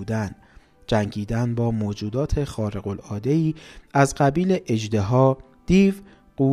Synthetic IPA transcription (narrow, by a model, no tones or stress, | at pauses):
uːd̪æn | d͡ʒæŋɟiːd̪ænbɒːmoːd͡ʒuːd̪ɒːt̪ʰe̞xɒːɾe̞ɣo̞lɒːd̪e̞iːæzɢæbiːleʔed͡ʒd̪e̞ɦɒː | d̪̥iːv | ɢ̥uː